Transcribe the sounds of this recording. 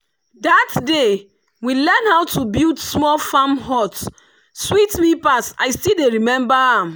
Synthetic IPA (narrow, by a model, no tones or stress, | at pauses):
datde | wilɛ̃nhaʊtubiltsmɔlfamɦɔt | switmipasta̰ɪjstideɹimɛ̃mbaãm